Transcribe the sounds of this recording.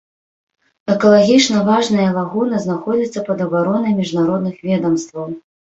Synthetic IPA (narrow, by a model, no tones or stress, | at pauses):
ɛkɐlˠaɣʲit͡ʂnɐvaʐnɐjɐvaɣunɐznaxɔd͡zʲit̪sːɐpɐd̪ɐbaɾɔnɐjmʲiʐnaɾɔd̪nɨxvʲɛd̪ɐmst̪vɐw